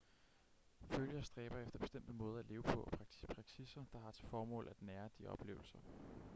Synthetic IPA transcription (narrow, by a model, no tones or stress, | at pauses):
føljɐsd̥ʁɛːb̥ɐefd̥ɐb̥e̝sd̥em̰d̥əmɔ̽ːð̞ˠɐæle̝ːʊpʰɒ̽ʔɒpʰʁɑ̈ɡ̥t͡sʰi̥spʰʁɑ̈ɡ̥t͡sʰisɐd̥ɑ̈hɑ̈t͡sʰe̝fɒːmɔ̰̽ːlæd̥næːɐd̥iʔɒ̽b̥le̝̰ːʊl̩sɐ